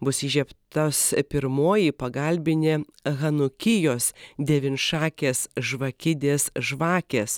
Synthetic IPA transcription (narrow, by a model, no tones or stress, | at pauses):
bʊsʲiʒʲɛpt̪ospʲɪɾmoːjipɐɡɐlʲbʲɪnʲe | ɣɐnʊkʲɪjoːsd̪ʲɛʋʲɪnʃɑːkʲeːsʒʋɐkʲɪd̪ʲeːsʒʋɑːkʲeːs